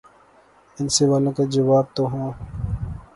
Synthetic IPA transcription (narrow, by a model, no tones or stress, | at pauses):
ɪnseʋaːlõkad͡ʒɐʋaːb̚t̪oɦõː